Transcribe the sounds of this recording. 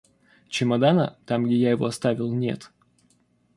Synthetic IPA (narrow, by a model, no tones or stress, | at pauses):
t͡ɕɪmɐd̪anə̰t̪amɡdʲejajɪvo̞ɐst̪avʲɪlˠnʲe̞̰t̪